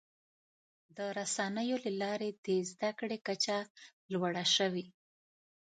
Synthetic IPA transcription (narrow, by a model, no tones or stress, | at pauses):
d̪əɾasɑnəjolalɑɾed̪ezd̪akɽekat͡ʃalwaɽaʃəwi